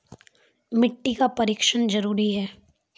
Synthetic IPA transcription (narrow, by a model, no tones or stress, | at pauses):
mɪʈːikapɐɾiːkʃənd͡ʒɐɾuːɾiɦɛː